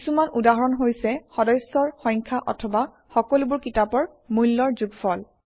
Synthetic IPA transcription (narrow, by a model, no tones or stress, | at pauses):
kisumanudaɦɔɹɔnɦojsɛxɔdɔjsɔɹxɔ̃jŋkʰaʔɔ̰tʰɔba | xɔkɔlubʊɹkitapɔɹ | mujlːɔɹzuɡfʰɔl